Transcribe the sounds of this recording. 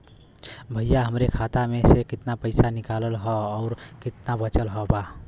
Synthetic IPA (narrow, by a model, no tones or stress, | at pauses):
bʱəjaɦəmɾekʰat̪amesekɪt̪napəɪsanikaləlɦɔːʊɾkɪt̪nabət͡ʃəlɦɔba